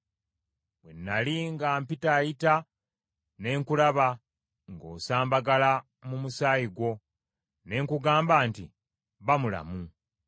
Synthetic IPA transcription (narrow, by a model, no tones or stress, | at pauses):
βwenːaliŋɡaːmpitaːjita | ne̞ːŋkulaβa | ŋɡo̞ːsaːmbaɡala | mumusaːjiɡwo̞ | ne̞ːŋkuɡaːmbaːntḭ | βamula̰mu